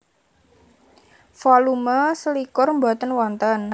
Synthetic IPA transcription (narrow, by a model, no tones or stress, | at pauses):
fɔluməsəlikʊrmbat̪ənwɔnt̪ən